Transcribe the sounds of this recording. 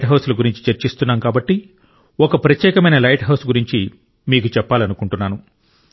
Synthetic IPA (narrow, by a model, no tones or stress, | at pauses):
ʈɦɐwsulɐɡuɾiɲt͡ʃi̥t͡ʃɐɾt͡ʃist̪unːaːmkaːbɐʈːi | ɔkɐpɾɐt̪jɛːkɐmɐjnɐlɐjʈɦɐwsɡuɾiɲt͡ʃi | miːkut͡ʃɛpːaːlɐnukuɳʈunːaːnu